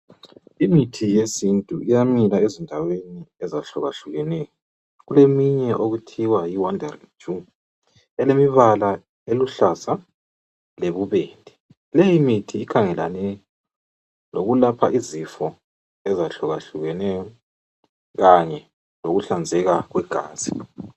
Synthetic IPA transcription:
imitʰijesintʼuijamilaezindʱaweniɛzaɬɔɣaɬuɣɛnɛjɔ | ɣulemiɲɛʔoɣutʰiwajiwandʱarid͡ʒu | ɛlemiβala | eluɬasa | leβuβeːndʱɛ | lejimitʰiːkʰaŋɛla̰nɛ | loɣulapʰaʔizifɔ | ɛzaɬɔɣaɬuɣɛnɛjɔ | ɣaɲɛ | loɣuɬand͡zʱɛɣaɣwɛɡ̥ʱa̰ːzi

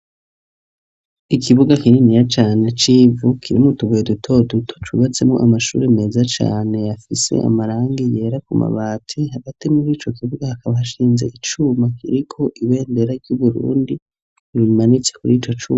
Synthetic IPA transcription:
ikʰiβuɡakininijat͡ʃaːne̞t͡ʃivukʰiɾimutuβujedutʰo̞dutʰo̥t͡ʃuβat͡se̞mŋoʔamaʃṵːɾeme̞ːzat͡ʃa̰ːne̞jafise̞̰ʔa̰maɾaːŋɡije̞ːɾakuma̰βaːtʰehaɡatimuɾiːt͡ʃo̞kʰiβuɡahakaβahaʃiːnze̞ʔit͡ʃumakḭɾikʰo̞ʔiβe̞ːnde̞ɾaɾɟuβuɾṵːndi | βimanit͡sekuɾiːt͡ʃo̞t͡ʃṵːma

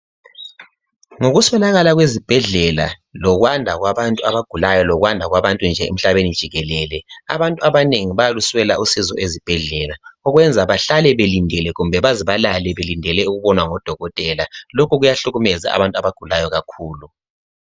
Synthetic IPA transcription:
ŋoɣuswɛlaɣalaɣwezib̥ʱɛɮɛla̰ | lɔɣwandʱaɣwaβantʼuaβaɡ̥ʱulajɔlɔɣwandʱaɣwaβantʼund͡ʒʱɛḛm̩ɬaβenid̥ʒ̥ʱiɣɛlɛlɛa̰βantʼuaβaneŋiβajaluswɛlaʔusizɔ̰ʔezib̥ʱɛɮɛlaɔɣwɛnd͡zʱaβaɬalɛβelindʱɛlɛɣumbʱɛβaziβalalɛβelindʱɛlɛuɣuβɔnwaŋɔd̥ʱɔɣɔtʼɛlalokʰuɣujaɬuɣumɛza̰a̰βantʼuaβaɡ̥ʱulajɔɣakʰuːlu

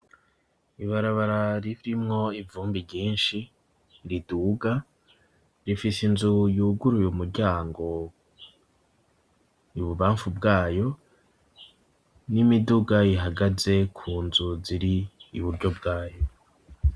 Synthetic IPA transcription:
iβaɾaβaɾaɾiβiɾimŋo̞ivuːmbiɟiːnʃi | ɾiduːɡa | ɾifisinzujuːɡuɾujumuɾɟaːŋɡo̞ | iβuβaːɱfubɡaːjo̞ | nimiduɡaiɦaɡaze̞kʰuːnzuziɾiːβuɾɟo̞bɡaːjo̞

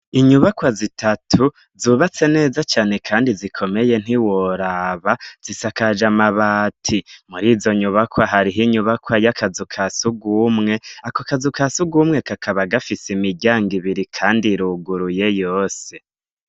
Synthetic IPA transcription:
iɲuβakwazitʰatʰu | zuːβat͡se̞ne̞ːzat͡ʃaːne̞kʰaːndizikʰo̞me̞je̞n̥iwoɾaβaz̥isakad͡ʒamaβaːtʰimuɾiːzo̞ɲuβakwaɦaɾiɦiɲuβakwajakʰazukʰasuɡumŋe̞akokazukasuɡumŋe̞kakʰaβaɡafisimiɟaːŋɡiβiɾikʰaːndiɾuɡuɾuje̞jo̞ːse̞

